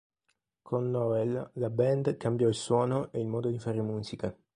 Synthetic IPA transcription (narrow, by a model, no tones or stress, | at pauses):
kʰonːɔvɛllabɛnd̪kambjɔilswɔːnoʔeilmɔːd̪od̪ifaɾemuːsika